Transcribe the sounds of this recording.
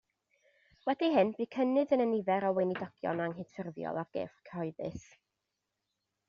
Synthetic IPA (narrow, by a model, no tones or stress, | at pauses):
wɛdiɦɪnbɨːkʰənɨðənənɪvɛɾɔwenidɔɡ̥jɔ̰naŋɦɨdfɪrvjɔ̰lˠarɡ̥ḛːfkʰəhɔɨðɨ̰θ